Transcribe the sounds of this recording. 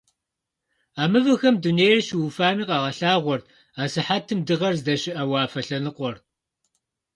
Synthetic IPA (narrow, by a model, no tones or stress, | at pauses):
aːmɨvɨxɐmduneːrʃɪwufaːniːqɑːʁɐɬaːʁʷɔrtʰ | aːsɨħaːtʰɨmdɨʁɐrzdɐɕɪʔɐwaːfɐɬɐnɨqʷɔr